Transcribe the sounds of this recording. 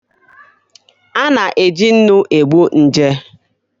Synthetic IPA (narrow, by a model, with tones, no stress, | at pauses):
a˦na˨ʔe˨d͡ʒi˦n̩˦nʊ˦ʔe˨ɡ͡bu˦n̩˦d͡ʒe˦